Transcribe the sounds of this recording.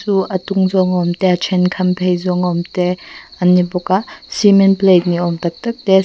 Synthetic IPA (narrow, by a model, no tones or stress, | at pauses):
suɐtuŋzɔŋɔmteat͡ʃʰenkʰɐmpʰejzɔŋɔmteanːibɔkasimenplejt̚niɔmtɐk̚tɐk̚te